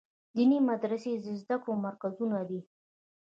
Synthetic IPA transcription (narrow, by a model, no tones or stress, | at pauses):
d̪inimad̪ɾased̪əzd̪akɽomaɾkazunad̪i